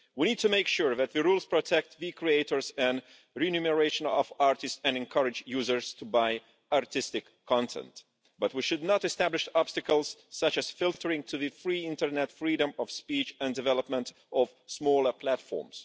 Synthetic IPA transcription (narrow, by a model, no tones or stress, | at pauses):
wiñid̚tʰumeɪkʃuɹðæt̪̚ðɨɹulˠz̥pʰɹɔtʰɛk̚tvikʰɹieɪtəɹzɨ̃n | ɹɛnjuməɹeɪʃə̃nɔvaɹtɪstɨ̃nɨ̃nkʰʌɹɨd͡ʒjuzə˞z̥tʰubaɪ | aɹtʰɪstɪkʰːɑ̃ntʰɛ̰̃nt | b̥ʌt̚wiʃɨd̚ⁿnəɾɨstæblɪʃɑb̥stɨkəl̩ˠz̥sʌt͡ʃɨz̥fɪlˠtʰə˞ɪ̃ŋtʰɨðɨfɹiɪ̃ntəɹnɛtfɹiɾə̃mɔv̥spit͡ʃɛ̃ndɨvɛlˠəpmə̃nt | ɔv̥smɔlˠə˞pʰlætfɔ̰ɹmz̥